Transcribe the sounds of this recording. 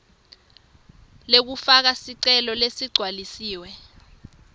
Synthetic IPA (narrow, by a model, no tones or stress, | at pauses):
lek̬ufak̬asiǀɛlɔlesiɡ͡ǀʱwalisiːwɛ